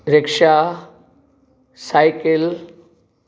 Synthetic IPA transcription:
ɾɪkʃa | saɪkɪl

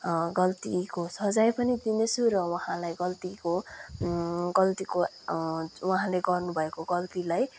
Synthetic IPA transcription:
ɡʌlt̪ikosʌd͡zajpʌnid̪inet͡sʰuɾʌwʌɦãlajɡʌlt̪iko | ɡʌlt̪iko | wʌɦãleɡʌrnubʱʌekoɡʌlt̪ilaj

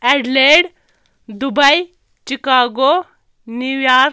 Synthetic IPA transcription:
ɛɖleɽ | d̪ubəj | t͡ʃikaːɡo | niʋjaːɾ

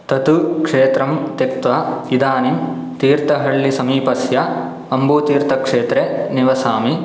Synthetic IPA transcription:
t̪ɐt̪ukʂeːt̪ɾɐmt̪ek̚t̪ʋaːid̪aːnim | t̪iːɾt̪ɐɦɐɭːisɐmiːpɐsjɐ | ɐmbuːt̪iːɾt̪ɐkʂeːt̪ɾeniʋɐsaːmi

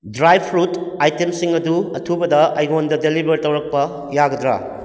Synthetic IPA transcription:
dɾajb̚pʰɾutajtemsiŋɐduɐtʰubɐdɐɐ̰jɡondɐdelibʱɐɾtɐwɾɐk̚pɐ | jaɡɐd̪ɾa̰

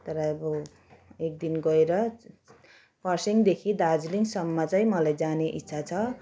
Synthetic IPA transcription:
t̪ʌɾʌbʌ | ek̚d̪inɡʌeɾʌ | pʌrsiŋd̪ekʰid̪ad͡zliŋsʌmːat͡saĩmʌlajd͡zaneʔitːsʰat͡sʰʌ

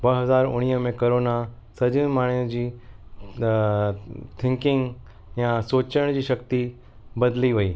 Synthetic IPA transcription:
bɐɦɐzaːɾʊ̰ɽ̃iːəmẽkoɾoːna | sɐd͡ʑə̃maːɳ̤̃ijũd͡ʑiː | t̪ʰɪ̃ŋkɪ̃ŋɡ | jãsoːt͡ɕəɽ̃d͡ʑiːʃɐk̚t̪i | bɐd̪liʋɐiː

